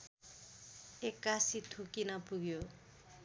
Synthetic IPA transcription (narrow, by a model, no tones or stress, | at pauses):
ekːasit̪ʰukinapuɡjo